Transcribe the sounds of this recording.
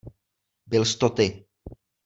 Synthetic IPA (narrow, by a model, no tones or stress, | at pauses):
bɪlst̪ot̪ɪ